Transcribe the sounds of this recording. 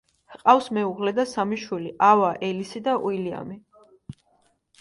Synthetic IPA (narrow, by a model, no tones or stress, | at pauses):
hqʼafsmɛuʁlɛd̪asamiʃwiliʔavaʔɛlisid̪aʔuilia̰mi